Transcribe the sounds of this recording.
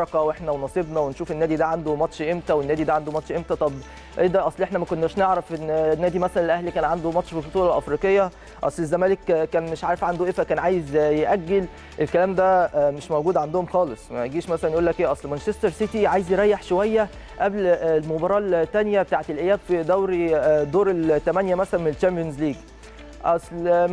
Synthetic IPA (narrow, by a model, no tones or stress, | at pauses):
ɑqɑweħnæwenɑsˤebnɑwenʃuːfenːæːd̪id̪æʕand̪omɑt̪ʃʔemt̪æwenːæːd̪id̪æʕand̪omɑt̪ʃʔemt̪æt̪ˤɑb | ʔḛːd̪æʔɑsˤlʔeħnæmækonːæːʃneʕɾɑfʔenːnːæːd̪imæsælænelʔæhlikæːnʕand̪omɑt̪ʃfibot̪uːlɑlʔɑfɾiːqejːæ | ʔɑ̰sˤlezːæmæːlekkːæːnmeʃʕaːɾefʕand̪oʔefækæːnʕaːjezjeʔæɡːel | ʔelkælæːmd̪æmeʃmowɡuːd̪ʕand̪ohomxɑːlesˤmæ̰ɡiːʃmæsælænjʔuːlːækʔeːʔɑsˤlmænʃest̪eɾˤsit̪iʕaːjezjeɾˤɑjːeħʃowæjːæ | ʔæbllmobɑɾˤɑːlt̪ːænjæbet̪aːʕet̪elʔæjːæːbfid̪æwɾd̪oːɾelt̪ːæmænjæmæsælænmelt͡ʃæmpijonzliːɡ | ʔɑsˤl